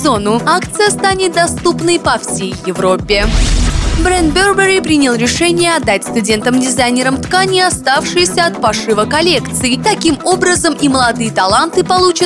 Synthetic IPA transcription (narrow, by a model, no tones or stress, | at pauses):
zo̞nʊakt̪sɨjəst̪anʲɪt̪̚d̪ɐst̪upnəjpɐfsʲejːɪvɾo̞pʲːɪ | bɾɛnd̪̚bʲerbʲəɾʲɪpɾʲinʲɪlˠɾʲɪʂɛnʲɪjəɐd̪ːat̚ʲst̪ʊdʲe̞nt̪əmdʲɪzajnʲɪɾəmt̪kanʲɪjəɐst̪afʂɨjɪsʲəɐt̪̚pɐʂɨvəkɐlʲe̞kt̪sɨɪt̪ɐkʲimo̞bɾəzəmiməlˠɐd̪ɨjət̪ɐlˠant̪ɨpɐlˠut͡ɕə